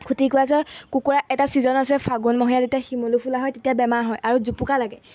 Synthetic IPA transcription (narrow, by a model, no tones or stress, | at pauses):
kʰutikʊjasɔkukuɹaʔɛtasizɔnasɛpʰaɡunmɔɦijazetijaximolupʰulaɦɔjtetijabɛmaɹɦɔjʔaɹuzupukalaɡɛ